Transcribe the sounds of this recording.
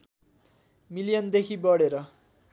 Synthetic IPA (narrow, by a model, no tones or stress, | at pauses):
milijʌnd̪ekʰibʌɽeɾʌ